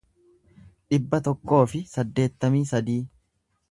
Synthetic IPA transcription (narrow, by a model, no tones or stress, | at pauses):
ᶑɪbːɐt̪ɔkːo̞ːfɪsɐd̪ːe̞ːt̪ːɐmiːsɐd̪iː